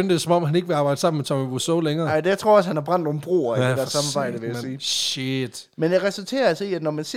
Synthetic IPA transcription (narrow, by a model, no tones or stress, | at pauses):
ønd̥esɒ̽mɒ̽m̰ɦæne̝ɡ̥ʋeɑ̈ːb̥ɑ̈ɪ̰d̥sɑ̈mn̩met͡sʰɒ̽miʋusɔleŋɐːɪdejaɪt͡sʰʁo̝ɐ̰ɒ̽shænæɐb̥ʁɑ̈n̰d̥ɔm̩b̥ʁo̰ːɐedæɐsɑ̈mmɑːb̥ɑ̈ɪ̰d̥əʋejæsiːʃed̥ | menjɑʁɛsult͡sʰe̝̰ːɐælsiæd̥nɒmænse